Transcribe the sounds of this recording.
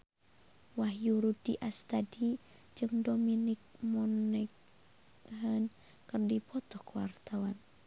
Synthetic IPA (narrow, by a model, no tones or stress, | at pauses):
wahjuɾudḭʔast̪adi | d͡ʒɨŋdɔminik̚mɔnɛk | ɦən | kɨrdipʰɔt̪ɔhkuwa̰rt̪awan